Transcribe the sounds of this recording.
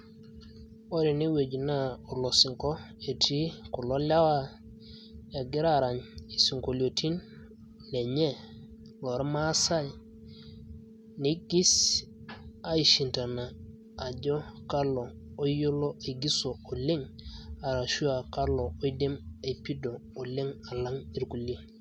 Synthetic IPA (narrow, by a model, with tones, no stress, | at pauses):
o˦ɾi˨ne˦we˨ɟi˨na˦˨o˨lo˨si˨ŋko˦ | e˨tʰi˦ku˨lo˦la˦wa˦ | a˨ɡi˦ɾa˨ɾa˨ɲe˨si˨ŋko˨lo˨tʰi˦nː | e˨ɲe˦ | lo˨ɾma˦sa˦j | ni˦ɡi˦s | a˨˦i˨ʃi˨nta˨naː˨ | ɟo˦ka˦loː˨˦jo˦lo˦ʔe˨ɡi˦soː˨le˦ŋa˨ɾa˨ʃu˦a˨ka˦lo˨o˦i˦de˦me˨pi˦doː˨le˦ŋa˨la˦ŋi˦ɾku˨le˦